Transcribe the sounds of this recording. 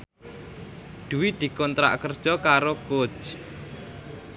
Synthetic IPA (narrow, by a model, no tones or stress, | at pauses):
d̪̥ṳwid̪̥i̤kɔnt̪ɾa̰ʔkərd̥ʒ̥ɔkaɾoɡ̥o̥t͡ʃ